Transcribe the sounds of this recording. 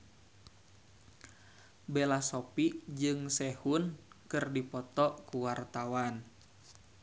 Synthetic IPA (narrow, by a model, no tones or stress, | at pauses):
belasopid͡ʒɨŋsɛhunkɨrdipɔt̪ɔʔkuwart̪awan